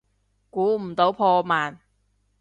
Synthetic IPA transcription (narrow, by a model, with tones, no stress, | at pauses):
kuː˨˥m̩˨˩t̪o˨˥wpʰɔː˧maː˨˩n